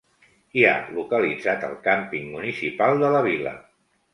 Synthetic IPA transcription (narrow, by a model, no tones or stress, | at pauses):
ia̰lukəlid͡zat̪ə̰lˠkampiŋmunisipalˠd̪ələβilə̰